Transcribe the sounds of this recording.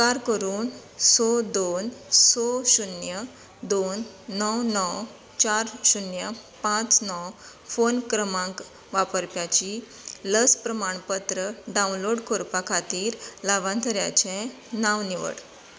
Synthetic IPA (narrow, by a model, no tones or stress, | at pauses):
kaɾkəɾuːnsod̪onsoɕunjə | d̪onːɔwnɔw | t͡ɕaɾɕunjəpãt͡snɔw | fonkɾəmãŋk | ʋapəɾpjat͡ɕi | ləspɾəmaɳpət̪ɾəɖaũnloɽkoɾpakʰat̪iːɾlaʋãnt̪əɾja̰t͡ɕɛ̃ | nãʋniʋə̰ɽ